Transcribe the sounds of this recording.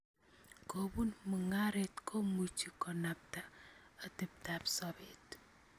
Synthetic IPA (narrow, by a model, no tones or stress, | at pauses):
kobunməŋaɾetkʰomut͡ʃikɔnap̚taatip̚tapsɔbet